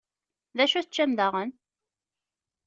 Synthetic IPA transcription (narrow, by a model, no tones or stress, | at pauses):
ðæʃuθət͡ʃːæmd̪əʁən